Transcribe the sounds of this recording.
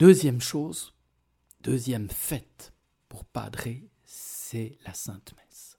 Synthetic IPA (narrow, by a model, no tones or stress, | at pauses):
d̪̥øzjɛmʃoːz | d̪̥øzjɛmfɛt̪ | puʁpa̰d̪ʁe | ssɛlasɛ̃t̪mɛs